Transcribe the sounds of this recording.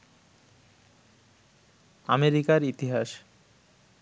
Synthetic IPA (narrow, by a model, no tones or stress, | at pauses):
ameɾikaɾit̪iɦaʃ